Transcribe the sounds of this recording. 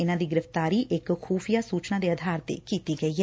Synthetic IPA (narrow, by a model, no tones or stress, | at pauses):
ɪnãːd̪iːɡɪɾɪft̪aːɾiːʔɪkkʰuːfʰijaːsuːt͡ʃnaːd̪eːəd̪ʱaːɾt̪ḛːkiːt̪iːɡəiːɦɛː